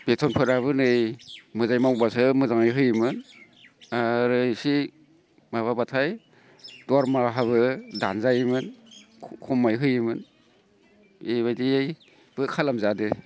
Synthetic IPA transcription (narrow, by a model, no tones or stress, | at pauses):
b̥etʰɔnpʰɯɾaβɯnɯjmɯzajmawbasɯmɯzaŋɯjɦɯjmɯn | aɾɯjsi | maβabatʰaj | dɔaɾmaɦaβɯda̰nzajmɯn | kʰɔmːajɦɯjimɯn | eβajdiej | b̥ɯkʰalamzade